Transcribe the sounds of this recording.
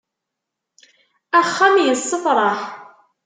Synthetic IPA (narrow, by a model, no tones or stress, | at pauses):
æχːæmjəsˤːəθɾˤɑħ